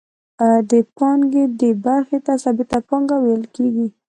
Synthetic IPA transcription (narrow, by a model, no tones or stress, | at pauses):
ad̪əpɑŋɡed̪ebaɾxet̪asɑbɪt̪apɑŋɡawejəlkeɡi